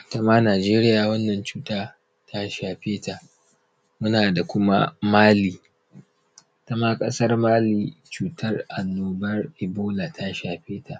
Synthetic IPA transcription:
ta˦maː˦naː˨d͡ʒeː˦ɾɪ˦jaː˨wɐ˦nːɐ˨nt͡ʃuː˦taː˦ | tʰa˦ʃaː˨ɸeː˦ta˨ʔ | mʊ˦naː˨da˨kʷʊ˦ma̰˦maː˦liː˨ | tɐ˦maː˦kʼɐ˦sɐ˦rmaː˦liː˨t͡ʃuː˨tɐ˦rʔa˨nːoː˦bɐ˦rʔɪ˨boː˦la˨tʰa˦ʃaː˨ɸeː˦ta˨ʔ

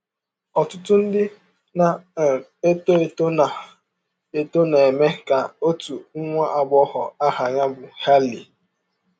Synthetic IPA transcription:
ɔ˨tʊ˦tʊ˦n̩˦dɪ˦ | na˨e˦to˦e˨to˦na˨ | e˦˨to˦ne˨e˨me˦ka˨o˦tu˨ŋ̩˦ŋʷa˦ʔa˨ɡ͡bɔ˦hɔ˨a˦ha˨ɲa˦bʊ˨ha˦li˨

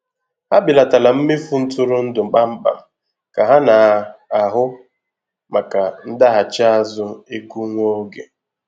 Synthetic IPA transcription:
ha˦bɪ˨la˨ta˨la˨m̩˦me˦fu˦n̩˦tʊ˦ɾʊ˦n̩˦dʊ˨k͡pa˦m̩˦k͡pa̰˨m̩˦ | ka˨ɦa˦na˨a˨ɦʊ˦ | ma˨ka˨n̩˦da˦ɦa˨t͡ʃa˦a˦zʊ˦e˦ku˦ŋʷo˦ɡḛ˨

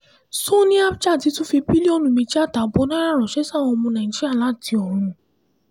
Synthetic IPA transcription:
so˦nĩ˦a˦bt͡ʃa˦˨ti˨˦tũ˦fi˧bi˦li˦o˧nũ˨mĩ˧t͡ʃi˦a˦˨ta˨bɔ˨˦nã˦ɾa˦˨ɾɔ˨ʃɛ˨˦sa˦˨wɔ̃˧mũ˧nã˨d͡ʒi˦a˦˨la˨˦˨ti˧ɔ̃˨ũ˧˨

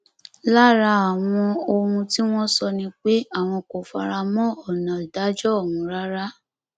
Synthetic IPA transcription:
la˦˨ɾa˧a˨w̃ɔ̃˧o˧ɾũ˧ti˦w̃ɔ̃˦sɔ˧nĩ˧k͡pe˦a˦˨w̃ɔ̃˧ko˨fa̰˨ɾa˧mɔ̃˦ɔ˨nã˨da˨˦d͡ʒɔ˦˨wũ˧ɾa˦ɾa˦

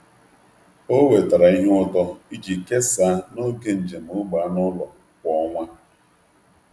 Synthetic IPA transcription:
o˦we˨ta˨ɾa˨i˦ɦɔ˦tɔ˦i˦d͡ʒi˨ke˦sa˨˦no˦ke˦n̩˨d͡ʒe˨m̩˨ʊ˦ɡ͡ba˨a˦nʊ˦lɔ˨ | kʷɔ˨˦ŋʷa˦

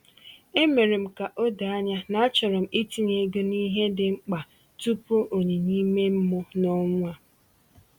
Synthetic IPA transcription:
e˦me˨ɾe˨m̩˨ka˨ʔo˦da˨a˦ɲa˦na˨a˦t͡ʃɔ˨ɾɔ˨m̩˨i˦ti˦ɲe˨˦ɡʊ˦ni˦ɦe˦dɪ˨ŋ͡m̩˦k͡pa˨ | tu˦po˦ʔo˨ɲe˨ɲi˦me˦m̩˦mʊ˦nɔ˦ŋʷ˦a˨

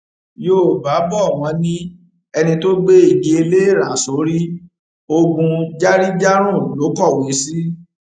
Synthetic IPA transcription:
jo˦˨ba˨˦bɔ˦˨w̃ɔ̃˨˧˦nĩ˦ | ɛ˧nĩ˧to˦ɡ͡be˦i˦˨ɡe˧˦e˧le˦e˦˨ɾ̃ã˨so˨˦ɾi˦ | o˧ɡũ˧d͡ʒa˦ɾi˦d͡ʒa˦ɾ̃ũ˦˨lo˨˦kɔ˦˨we˨˦si˦

